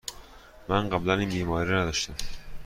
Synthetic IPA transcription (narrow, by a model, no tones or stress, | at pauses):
mænɢæblæniːnbiːmɒːɾiɾɔnæd̪ɒʃt̪æm